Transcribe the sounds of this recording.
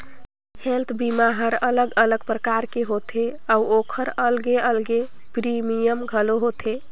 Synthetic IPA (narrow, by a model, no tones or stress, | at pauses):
helt̪ʰbimaɦəɾələɡələɡpɾəkaɾkeɦot̪ʰeauokʰəɾəlɡeəlɡe | pɾimijəmɡʱəloɦot̪ʰe